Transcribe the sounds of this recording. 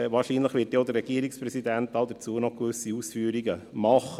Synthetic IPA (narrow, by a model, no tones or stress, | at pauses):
vɑːɾʃiːnləχʋɪːt̚deːɔd̪əɾːɛɡiəɾikspɾɛsid̪ænt̪ɑld̪ət͡suːənɔkʋʏsiusfyːəɾiɡəmɑχə